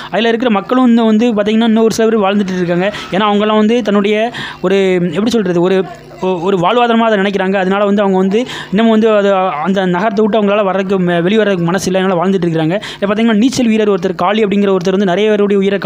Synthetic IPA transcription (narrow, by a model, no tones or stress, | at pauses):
ɐðɪlɐːɪɾɯk̬ːɪɾɐmɐkːɐɭɯ̃ɐnd̪ɯʋɐnd̪ɯpaːɾt̪iːŋɡɐnːaːɪnːɐɔɾɯsɪlɐpɪɾʋaːɻnd̪ɯʈːɯɾɯk̬ːaːŋɡɐeːnːaːɐʋɐŋɡɐlːãːʋɐnd̪ɯt̪ɐnːɯɽɐjɐɔɾɯɛpːɐɽisɔlɾɐðɯɔɾɯ | ɔɾɯʋaːɭɯʋaːðɐnɐmaːɐðɐnɪnɛk̬ːɪɾaːŋɡɐːðɯnaːlɐʋɐnd̪ɯɐʋɐŋɡɐʋɐnd̪ɯɪnːɐmẽːʋɐnd̪ɯɐðɯɐnd̪ɐnɐɣɐɾɐt̪̬ːɐɪʈːɯɐʋɐŋɡɐɭaːlɐʋɐɾɐðɯk̬ːɯʋɛɭɪʋɐɾɐðɯkɯmɐnɐsɪlːɐɛnːaːlɐʋaːɻnd̪ɯʈːɪɾɯk̬ːɪɾaːŋɡɐɪlːɐpaɾt̪̬iŋɐnːaːniːsɛlʋiːɾɐːɾɔɾɯt̪ːɐɾkaːɭiɐpːɐɽɪŋɡɪɾɐɔɾɯt̪̬ːɐɾʋɐndɯnɪɾɐjɐʋeːɾʊɽɐjɐʊjɪɾɐk